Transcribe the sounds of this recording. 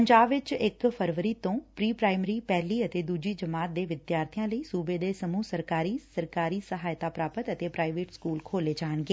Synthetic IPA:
əɲd͡ʒaːbʋɪt͡ʃɪkpʰəɾʋəɾiːt̪õːpɾiːpɾaːɪmɾiːpɛːliːət̪eːd̪uːd͡ʒiːd͡ʒəmaːt̪̚d̪eːʋɪd̪jaːɾt̪ʰɪjãːləiːsuːbeːd̪eːsəmũːsəɾkaːɾiːsəɾkaːɾiːsəɦaːjt̪aːpɾaːpət̪ət̪eːpɾaːɪʋeːʈskuːlkʰoːleːd͡ʒaːnɡeː

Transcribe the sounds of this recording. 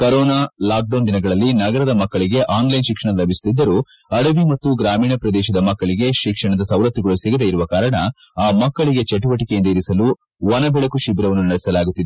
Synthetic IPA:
kɐɾɔːnaːlaːk̚ɖɐwnd̪inɐɡɐɭɐlːinɐɡɐɾɐd̪ɐmɐkːɐɭiɡe̞ʔaːnlɐjnʃikʂɐɳɐlɐbʱisu̥t̪id̪ːɐɾu | ɐɽɐʋimɐt̪ːuɡɾaːmiːɳɐpɾɐd̪ɛːʃɐd̪ɐmɐkːɐɭiɡe̞ʃikʂɐɳɐd̪ɐsɐwlɐt̪ːiɡɐɭusiɡɐd̪eiɾuʋɐkaːɾɐɳɐ | aːmɐkːɐɭiɡe̞t͡ʃeʈ̬uʋɐʈikejind̪ɐiɾisɐlu | ʋɐnɐbɛɭɐkuʃibɾɐʋɐnːunɐɽɛsɐlaːɡut̪ːid̪e

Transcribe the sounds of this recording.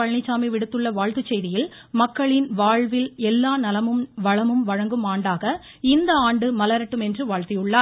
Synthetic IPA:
ɐɻnɪt͡ʃːaːmiʋɪɽɯt̪ːɯɭːɐʋaːɻt̪ɯt͡ʃːɛjðɪjɪl | mɐkːɐɭɪnʋaːɻʋɪlɛlːaːnɐlɐmɯmʋɐɻɐmɯmʋɐɻɐŋɡɯmaːɳɖaːɣɐ | ɪnd̪ɐaːɳɖɯmɐlɐɾɐʈːɯmɛndrɯʋaːɻt̪ɪjɯɭːaːɾ

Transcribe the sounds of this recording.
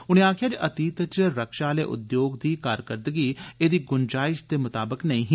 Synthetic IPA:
ʊnẽːaːkʰjaːd͡ʒʔət̪iːt̪ət͡ʃɾəkʃaːlḛːʔʊ̰d̪joːɡd̪iːkaːɾkəɾd̪əɡiːeːd̪iːɡʊnd͡ʒaːɪʃd̪eːmʊt̪aːbəknəĩːɦi

